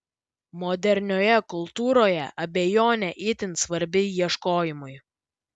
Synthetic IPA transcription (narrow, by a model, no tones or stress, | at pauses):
mɔd̪ʲɛɾʲnʲoːjɛkʊlˠˑt̪uːɾoːjɛ̰ʔɐbʲɛjoːnʲɛʔɪt̪ʲɪnt̪sʋɐɾʲbʲɪjiɛʃkoːjɪmʊj